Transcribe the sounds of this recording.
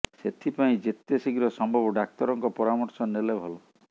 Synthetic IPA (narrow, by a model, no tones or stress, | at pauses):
set̪ʰipaĩd͡ʒet̪jesiɡiɾɔsɔmbʱɔbɔɖak̚t̪ɔɾɔŋkɔpɔɾamɔɾsɔnelebʱɔlɔ